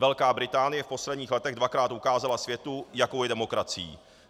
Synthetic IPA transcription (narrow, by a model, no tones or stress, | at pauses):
vɛlkaːbɾɪt̪aːnɪjɛfpo̞slɛdɲiːxlɛt̪ɛɣdvakɾaːt̪ukaːzalasvjɛt̪ujakowjɛdɛmo̞kɾat͡sɪjḭː